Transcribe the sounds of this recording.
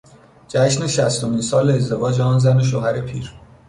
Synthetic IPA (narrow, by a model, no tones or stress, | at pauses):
d͡ʒæʃne̞ʃæst̪omiːnsɒːleːzd̪e̞vɒːd͡ʒeɒːnzæne̞ʃ̬ohæɾe̞pʰiːɾ